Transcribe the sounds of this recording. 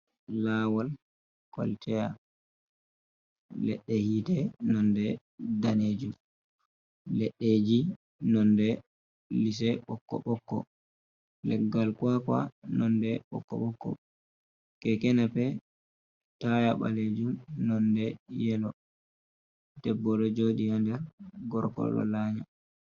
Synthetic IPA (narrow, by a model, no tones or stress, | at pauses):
laːwal | kwa̰ltɛja | lɛ̰ɗːɛhiːtɛnɔndɛ | daneːd͡ʒum | lɛɗːeːd͡ʒi | nɔndɛ | lis̬ɛɓɔkːɔ̰ɓɔkːɔ̰ | lɛɡːalkwakwa̰nɔndɛɓɔ̰kːɔ̰ɓɔkːɔ̰ | kɛkɛnapɛ | tajaɓa̰led͡ʒumnɔndɛjɛlɔ | dɛbːɔɗɔd͡ʒodijandɛɡɔɾkɔ̰lɔ̰laːɲa